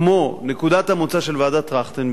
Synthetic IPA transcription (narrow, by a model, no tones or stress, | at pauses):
monekud̪at̪hamot͡saʃelvad̪at̪ʁaχt̪en